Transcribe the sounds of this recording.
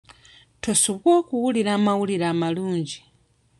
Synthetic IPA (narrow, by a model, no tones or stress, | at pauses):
tʰɔsukɔkuuliɾamauliɾamaluːnd͡ʒi